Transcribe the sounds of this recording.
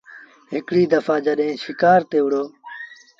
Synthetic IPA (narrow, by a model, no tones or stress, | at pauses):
ɦɪkɽiːd̪əfaːd͡ʒəɗɦẽːʃɪkaːɾt̪eːʊɽoː